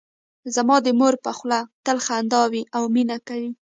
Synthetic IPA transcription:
zamɑd̪əmoɾpaxlat̪əlxand̪ɑwiʔawminakawi

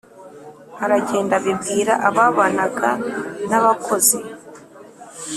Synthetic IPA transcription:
haɾaɟe̞ːndaβibɡiːɾa̰ʔaβaβanaɡanaβakʰo̞zi

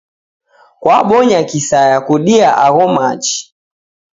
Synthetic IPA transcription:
kwaɓɔɲakisajakuɗiaʔaɣɔmat͡ʃi̥

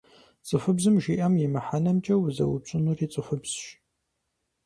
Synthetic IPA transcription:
t͡sʼɨfɨbzɨmʒiːʔɐmjɪmɐħanɐmt͡ʃʼɐwʊzɐ̰wʊp̚ɕʼɨnuriːt͡sʼɨfɨbz̥ʃ

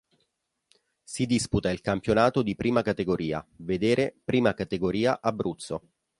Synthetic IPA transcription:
sid̪isput̪ailkampjonaːt̪od̪ipɾiːmakat̪eɡoɾiːa̰ved̪eːɾepɾiːmakat̪eɡoɾiːaʔabːɾut̪sːo̰

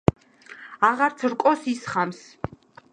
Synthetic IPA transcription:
aʁaɾt̪sʰɾkʼɔsisχams

